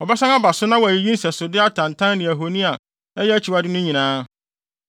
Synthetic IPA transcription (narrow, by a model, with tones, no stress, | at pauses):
ɔ˨bɛ˦sã˦ŋ˦a˦ba˨sʊ˦nã˦wɔ˨æ˨ji˨jĩ˦n̩˦sɛ˨sʊ˨dɪ˦a˦tʰã˨n˨tʰã˦n˦nɪ̃˨a˨ɦo˨nĩ˦a˨ | ɛ˦jɛ˦æ˦t͡ɕʰi˨wa˦dɪ˦nʊ̃˦ɲĩ˨nãː˦